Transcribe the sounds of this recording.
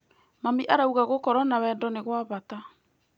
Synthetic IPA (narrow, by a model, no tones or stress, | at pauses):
mamiʔaɾauɣaɣokɔɾɔnawɛndɔneɣwaβata